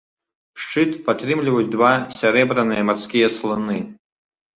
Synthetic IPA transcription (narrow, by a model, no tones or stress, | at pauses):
ʂt͡ʂɨt̪pat̪ɾɨmlʲivɐjut͡s̚ʲd̪vasʲɛɾɛbɾɐnɨjɛmarsʲkʲijɛslˠɨnɨ